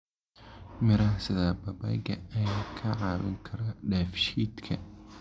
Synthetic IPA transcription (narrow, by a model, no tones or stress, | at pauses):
mɪɾɐhsɪðaːbɐbɐ̰ɡɐɐjaːkʰɐʕɑːβɪ̰ŋkʰɐɾɐɖɛːfʃiːd̪kʰɐ